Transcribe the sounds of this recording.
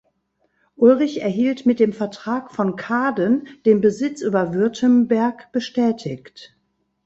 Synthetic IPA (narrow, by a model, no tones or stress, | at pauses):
ʔʊlʁɪçɛɐɦiːltmɪt̚d̥eːmfɛɐtʁ̥aːkfɔnkʰaːdənd̥eːnbəzɪt͡sʔyːbɐvʏɐtʰəmbɛɐkb̥əʃtɛːtʰɪçt